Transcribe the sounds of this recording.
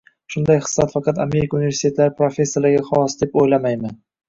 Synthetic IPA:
ʃʊnd̪ajχɨ̥sːat̪fɑqʰɑt̪ame̞ɾɪkʰaunive̞ɾsit̪ʰet̪laɾɪpɾofʲe̞sːelaɡʲaχɒwɒsd̪e̞pojlamajmɪn

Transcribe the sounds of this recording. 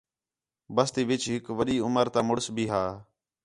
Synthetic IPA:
bəst̪iːʋɪt͡ʃɦɪkʋəɗiːʊməɾt̪ãːmʊɽsbʱiːɦaː

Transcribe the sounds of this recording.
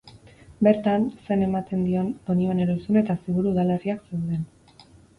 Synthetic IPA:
be̞ɾt̪anse̞ne̞mat̪e̞nd̪io̞nonioneɾosune̞t̪asiɣuɾuuðale̞riakse̞wðe̞n

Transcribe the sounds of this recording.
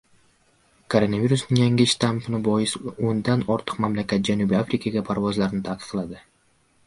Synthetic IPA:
kʰoɾo̞naviɾusnɪŋjaŋɡʲɪʃt̪ampɨnɪbojɪsond̪ɑnoɾt̪ʰʊ̥qmamlakʲæt̪̚d͡ʒanubɪafɾʲɪkaɡʲapʰaɾvozlˠɑɾnɪt̪ʰɑq̪ə̥qʰlˠɑd̪ɨ

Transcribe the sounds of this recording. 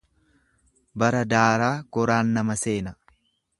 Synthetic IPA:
bɐɾɐd̪aːɾaːɡ̥ɔɾaːnːɐmɐse̞ːnɐ

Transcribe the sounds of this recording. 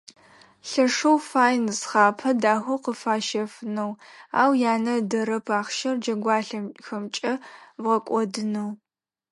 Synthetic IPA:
ɬɐʂɐwfaːjnsχaːpʰɐdaːxʷɐwqəfaːʃɐfɨnɐwa̰ːwjaːnɐdɐɾɐpʰaːχʃɐrd͡ʒɐɡʷɑːɬɐxɐmt͡ʃʼɐbʁɐkʷʼɔdɨnɐw

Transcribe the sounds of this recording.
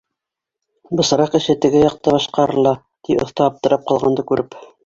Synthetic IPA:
bɤ̆sɤ̆ɾɑqɘ̆ʃɘt̪ɘ̆ɡɘjɑq̚t̪ɑbɑʃqɑɾɤ̆lˠɑ | t̪iŏ̰θt̪ɑɑp̚t̪ɤ̆ɾɑp̚qɑlˠʁɑnd̪ɤkʉɾʔɘp

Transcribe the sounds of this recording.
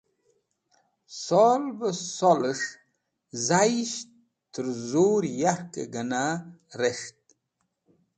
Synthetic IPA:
solbəsoləʂ | zajʃ | t̪əɾzuɾjaɾkḛɡənaɾeʂt̪̚

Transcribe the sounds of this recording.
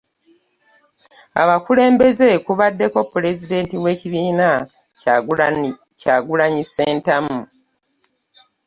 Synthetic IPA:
a̰βakule̞ːmbe̞ze̞kuβadːe̞ko̞pule̞zide̞ːntiwe̞ːciβiːna | caːɡulaɲiseːntamu

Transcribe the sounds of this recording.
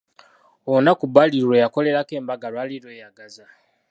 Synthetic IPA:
onakubaliɾɾwejako̞le̞ɾake̞ːmbaɡalwaːliɾwejaɡaza

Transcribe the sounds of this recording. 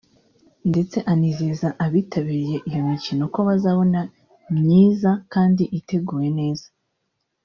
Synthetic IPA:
nde̞t͡se̞ʔanizezaʔaβiːtʰaβiːɾije̞ʔijo̞micino̞ko̞βazaβo̞na | mɲiːzakaːndiʔite̞ɡuːje̞ne̞ːz̥a

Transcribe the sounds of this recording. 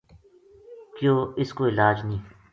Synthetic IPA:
kjoːɪskoɪlaːd͡ʒnĩː

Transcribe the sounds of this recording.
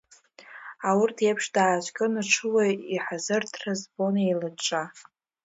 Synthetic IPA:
awʊrtʰjapʰʂdaːʒʷkʲʼɨnɨʈ͡ʂʰɨwajiħazɨrtʰrazbo̞nejlɨʈ͡ʂʼa

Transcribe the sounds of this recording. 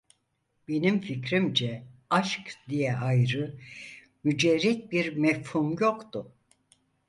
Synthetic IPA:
be̞nimficɾimd͡ʒɛaʃkd̪ijɛajɾɯ | myd͡ʒɛɾɛt̪̚biɾmɛfhumjo̞kt̪ʊ

